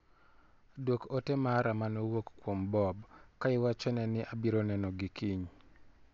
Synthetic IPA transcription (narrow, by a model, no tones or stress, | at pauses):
dwokotɛmaɾamanowokkwombɔbkaɪwat͡ʃɔnɛnɪʔabiɾonɛnɔɡikiɲ